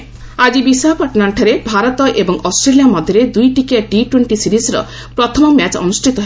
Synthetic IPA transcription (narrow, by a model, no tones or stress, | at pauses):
ad͡ʒibisaɦkɔʈnaɳʈʰaɾebʱaɾɔt̪ɔʔebɔŋɔsʈɾelijamɔd̪ʱjɔɾed̪ujʈikiaɖiʈweɳʈisiɾisɾɔ̰ | pɾɔt̪ʰɔmɔmat͡ʃɔ̰nusʈʰit̪ɔɦe